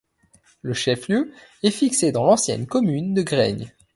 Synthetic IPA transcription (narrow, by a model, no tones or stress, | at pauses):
ləʃɛfljøɛfiksed̪ɑ̃lɑ̃sjɛ̰nkɔmynd̪əɡʁɛ̰ɲ